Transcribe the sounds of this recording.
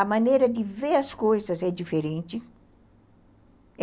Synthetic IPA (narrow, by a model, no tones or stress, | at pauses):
ɐmɐ̃nejɾɐd̪ɪveɾɐskojzɐzɛd͡ʒifeɾẽnt͡ʃɪ